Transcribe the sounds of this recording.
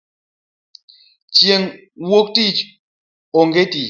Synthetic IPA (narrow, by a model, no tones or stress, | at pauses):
t͡sjeŋ | wok̚ti | oŋɡeti